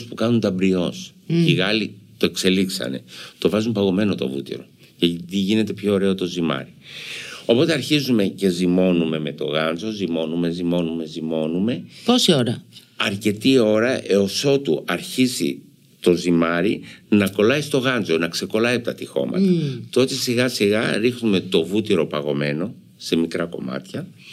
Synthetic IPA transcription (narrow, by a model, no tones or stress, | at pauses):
spukɐnund̪ɐbɾio̞sciɣɐlit̪o̞e̞kse̞liksɐ̰ne̞̰t̪o̞vɐzumpɐɣo̞me̞no̞t̪o̰vṵt̪ḭɾo̞̰ | cet̪iʝine̞t̪e̞pço̞ːɾe̞ot̪o̞zimɐ̰ɾi | o̞po̞t̪e̞ɐɾçizume̞ce̞zimo̞nume̞me̞t̪o̞̰ɣɐnzo̞zimo̞nume̞zimo̞nume̞zimo̞nume̞posio̞ɾɐ | ɐɾce̞t̪io̞ɾɐʔe̞o̞so̞t̪uɐɾçizḭ | t̪o̞zimɐɾinɐko̞lɐist̪o̞ɣɐnzo̞nɐkse̞ko̞lɐiɐpt̪ɐt̪ixo̞̰mɐ̰t̪ɐt̪oot̪e̞siɣɐsiɣɐɾixnume̞t̪o̞vut̪iɾo̞pɐɣo̞me̞no̞ | se̞mikɾɐko̞̰mɐ̰t̪çɐ